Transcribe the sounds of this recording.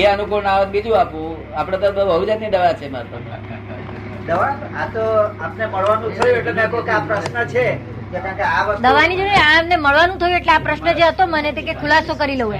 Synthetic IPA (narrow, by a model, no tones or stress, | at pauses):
eənukunaʋənbid͡ʒũapũ | apɽ̃ẽt̪obəbʱəɦud͡ʒanid̪əʋat͡ʃʰemaɾpəpa̰ | d̪əʋaat̪oapneməɭʋanũt̪ʰəjũeʈlemɛ̃kokapɾəʃnət͡ʃʰe | d͡ʒekãkeaʋəɾd̪əʋanid͡ʒoeamneməɭʋanũt̪ʰəjũeʈleapɾəʃnəd͡ʒeɦət̪omənet̪ekekʰulasokəɾileɦũe